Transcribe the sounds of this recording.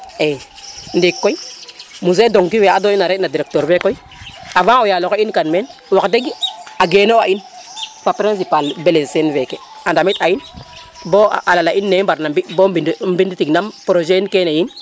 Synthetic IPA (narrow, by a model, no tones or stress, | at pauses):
endikːoimuzedoŋkiweadoinaɾenadiɾek̚toɾvekoi | avãojalokoinkanmenwakdeɡiaɡenoa̰infapɾins̬ipalbelesenvekḛ | andamit̪ain | bo̰ʔalalaʔinːebaɾnabibobimbinditiɡnampɾoʒeinkenajin